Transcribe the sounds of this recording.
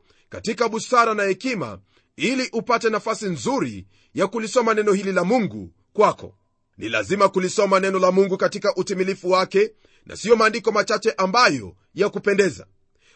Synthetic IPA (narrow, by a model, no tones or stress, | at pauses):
katikaɓusaɾanahɛkima̰ | iliʔupatɛnafasinzuɾi | jakulisɔmanɛnɔhililamuŋɡṵ | kwakɔ̰ | nʔḭla̰zimakulisɔmanɛnɔlamuŋɡukatikaʔutimilifuwakɛ | nʔa̰siɔmaːndikɔmat͡ʃat͡ʃɛʔambajɔ̰ | jakupɛndɛza̰